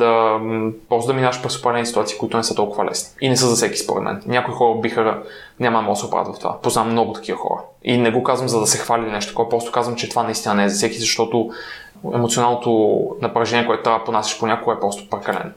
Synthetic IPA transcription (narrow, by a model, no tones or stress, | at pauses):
d̪ɐ | pɾɔst̪d̪ɐminavɐʃpɾɛso̥pɾkɐlɛnisit̪at̪si̥kʊit̪ʊnɛsɤt̪ɔlˠkʊvəlɛ̰sni̥inɛsɤzɐsɛki̥spo̰ɾɛ̰d̪mɛ̰nnʲakoixɔɾəbixə | ɲʲamɐnɐmɔlˠd̪sʊpɾa̰t̪vɐft̪ova̰poznamːnɔɡʊt̪ɐ̥k̟ivəxɔ̰ɾə̰ | inɛɡokazvəmzɐd̪ɐsɛxvalʲinɛʃt̪o̥t̪kɔpɾɔst̪o̥kazvɐmt͡ʃɛt̪ovanɐist̪inənɛɛzɐsɛkizɐʃt̪ɔt̪ʊ | ɛ̰mot̪sionalˠnot̪onɐpɾɐʒɛniɛkoɛt̪o̥t̪ɾvaponasʲi̥ʃponʲakoɡəɛpɾɔst̪o̥pɾɛkɐlɛ̰n